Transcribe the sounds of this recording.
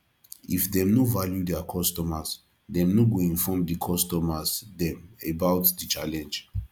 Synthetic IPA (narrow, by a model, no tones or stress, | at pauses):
ifdɛ̃mnovaljudɛakʰɔstɔmas | dɛ̃mnoɡoĩnfɔmdikʰɔstɔmasdɛ̃mebawtdit͡ʃalɛ̃nd͡ʒ